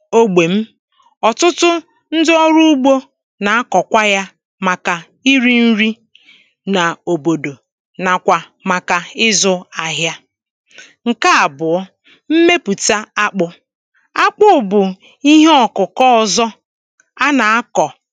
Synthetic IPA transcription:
o˦ɡ͡be˨m̩˦ | ɔ˨tʊ˦tʊ˦ | n̩˦dɪ˦ɔ˦ɾu˦u˦ɡ͡bo˦ | na˨a˦kɔ˨kʷa˦ja˦ | ma˨ka˨ | i˦ɾi˦n̩˦ɾi˦ | na˨o˨bo˨do˨ | na˨kʷa˨ | ma˨ka˨ɪ˦zʊ˦a˨ɦja˦ | ŋ̩˨ka˦a˨bʊ˨ɔ˦ | m̩˦me˦pu˨ta˦a˦k͡pʊ˨ | a˦k͡pʊ˦ʊ˨bʊ˨ | i˦ɦe˦ɔ˨kʊ˨kɔ˦˨zɔ˦ | a˦na˨a˦kɔ˨

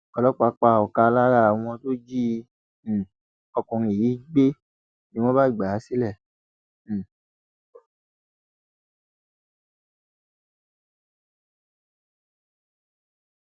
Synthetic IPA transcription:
ɔ˧lɔ˦k͡pa˧˦k͡pa˧˨ɔ˨ka˧la˦ɾa˦˨w̃ɔ̃˧to˦d͡ʒĩ˦˧˨ | ɔ˧kũ˨ɾ̃ĩ˧e˨jiː˨˦ɡ͡be˦ | nĩ˦w̃ɔ̃˦ba˦i˦˨ɡ͡ba˨˦si˦lɛ̃˦˨

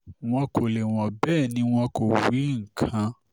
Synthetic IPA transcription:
w̃ɔ̃˧kʰo˨le˨w̃ɔ̃˨bɛ˦˨nĩ˧˦w̃ɔ̃˧ko˨wi˨˦ŋ̩˨kʰã˧˦

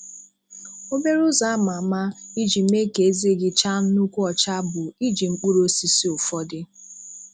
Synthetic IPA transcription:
o˦be˦ɾʊ˦za˦ma˨ma˦i˦d͡ʒi˨˦me˦ke˨e˦ze˦˨ɡɪ˦t͡ʃa˦n̩˦nu˦kʷu˦ɔ˨t͡ʃa˦bʊ˨i˦d͡ʒi˨ŋ͡m̩˦k͡pu˦ɾo˦si˦si˦ʊ˨fɔ˦dɪ˦

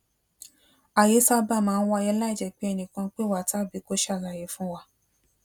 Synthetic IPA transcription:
a˨je˨˦sa˧ba˦˨mãː˨˧n̩˦wa˧jɛ˧˦la˦i˦˨d͡ʒɛ˨k͡pi˨˦ɛ˧nĩ˨kã˧k͡pe˦wa˨ta˦˨bi˨˧˦ko˦ʃa˦˨ɾa˨je˨˦fũ˦wa˦

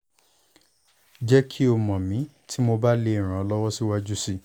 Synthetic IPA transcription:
d͡ʒɛ˦kʰi˦o˧˨mɔ̃˨mĩ˨˦ | tʰi˦mo˧ba˦le˧i˨ɾ̃ã˨ɔ˧lɔ˦wɔ˦si˦wa˦d͡ʒu˦si˦˨

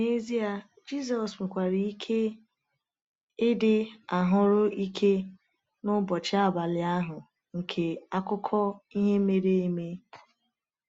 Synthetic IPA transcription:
ne˦zi˦a˨ | d͡ʒi˦˨z̬ɔ˨sme˨kʷa˨ɾi˨i˦kʰe˦ | ɪ˦dɪ˦a˨ɦʊ˦ɾʊ˦i˦kʰe˦ | nʊ˦bɔ˨t͡ʃɪ˦a˦˨ba˨lɪ˨a˦ɦʊ˨ | ŋ̩˨kʰe˨a˦kʊ˦kʰɔ˦i˦ɦe˦me˦ɾe˦e˦me˦

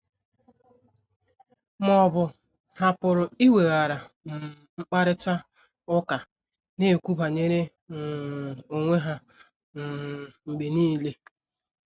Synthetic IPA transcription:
mɔ˨bʊ˨ | ha˨pʊ˨ɾʊ˨i˦we˨ɣa˨ɾa˨m̩˨ | ŋ͡m̩˦k͡pa˦ɾɪ˦ta˦ | ʊ˦ka˨ | ne˦˨kʷu˦ba˨ɲe˦ɾe˦˨ | o˨ŋʷe˦ɦa˦˨ | ŋ͡m̩˨ɡ͡be˨niː˦le˦

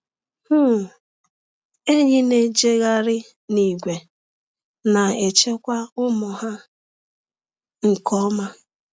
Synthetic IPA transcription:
hu˦˨ | e˦ɲɪ˦ne˦d͡ʒe˦ɣa˦ɾɪ˦ | ni˨ɡʷe˨ | na˨e˨t͡ʃe˦kʷa˦ʊ˦mɔ˨ɦa˦ | ŋ̩˨kɔ˦ma˦

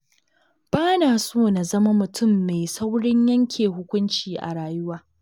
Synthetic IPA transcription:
b̥aː˦naː˨soː˦˨na˨zɐ˦ma˦mʊ˨tʰʊ˦˨mːe˨sa˦wɽɪ˦ɲjɐ˦ŋkʲʰeː˨ɦʊ˦kʷʊ˦nt͡ʃiː˨ʔa̰˨ɽaː˨jʊ˦waː˦

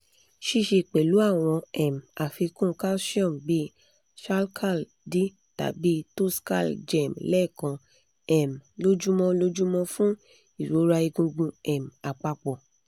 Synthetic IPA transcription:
ʃi˧ʃi˧˨k͡pe˨lu˨˦a˦˨w̃ɔ̃˧ɛ˨m̩˨a˨fi˧kũ˦˨ka˦sɔ̃˦˨m˨bi˦ | ʃa˦lkʰa˦˨l | di˦ | ta̰˨bi˨˦to˦ska̰˦˨ld͡ʒɛ˦˨mlɛ˦˨kã˧ | ɛ˨m˨lo˦d͡ʒu˦mɔ̃˧lo˦d͡ʒu˦mɔ̃˧fũ˦ | i˦˨ɾo˨˦ɾa˧i˧ɡũ˧ɡ͡bũ˧ɛ˨m̩˨a˨k͡pa˧k͡pɔ˨

